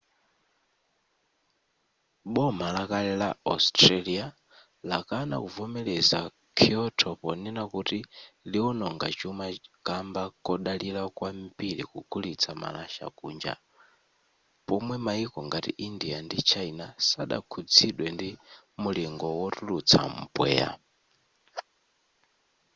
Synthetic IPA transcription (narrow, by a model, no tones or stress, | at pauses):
ɓɔmalakalɛlaastralia | lakana̰kuvɔmɛlɛza | kʰiɔtʰɔpɔnɛnakutiliɔnɔŋɡat͡ʃumakambakɔɗalilakwambiɺikuɡ̥ulit͡sʰama̰laʃa̰kʼuːnd͡ʒa̰ | pɔmwɛmaikɔŋɡatiʔindiandit͡ʃʰainasaɗa̰kʰud͡ziɗwɛndi | muliŋɡɔwɔtʼulut͡sʰa̰m̩bwɛ̰ːa̰